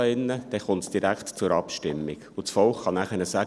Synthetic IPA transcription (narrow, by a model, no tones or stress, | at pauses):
əɪnːəd̥ɛχʊntsd̥iɾæktt͡sʊɾɑpʃtɪmːiɡʊt͡sfɔlχːɑnæχənəsæ